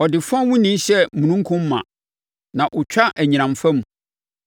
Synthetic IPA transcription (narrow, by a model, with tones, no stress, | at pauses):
ɔ˨dɪ˨fɔ̃˦wʊ̃˦nĩ˦ɕɛ˦mũ˨nũ˦ŋ̩˦kʰʊ̃˦mː˦ã̰˨ | nã˨ʔʊ˨t͡ɕᶣa˦ʔæ˨ɲĩ˨nã˨mfã˦m̃˨